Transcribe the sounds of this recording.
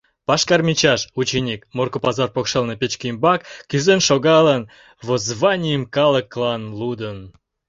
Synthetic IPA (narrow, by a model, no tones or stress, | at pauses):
pɑʃkɑrmʲit͡ɕɑʃut͡ɕenʲikmorkopɑzɑrpokʃelnepʲet͡ɕkimbɑkːyzenʃoɣɑlən | βozβɑnʲijəmkɑlˠəklɑnlud̪ən